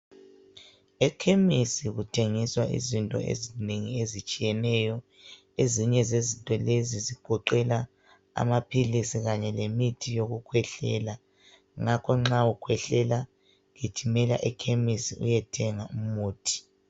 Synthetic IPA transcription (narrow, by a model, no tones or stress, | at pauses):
ɛkʰemisiɣutʰeŋiswaʔḭzintʼɔ̰ḛzineŋiezit͡ʃʼijɛnɛjɔ | eziɲɛzezintʼɔleziziɡ̥ʱɔǃɛla | a̰mapʰilisiɣaɲɛlemitʰijoɣukʰwɛɬɛ̰la | ŋakʰɔŋ͡ǁaukʰwɛɬɛla | ɣetʰimɛlaʔɛkʰemisiṵjɛtʰɛŋaumuːtʰi̥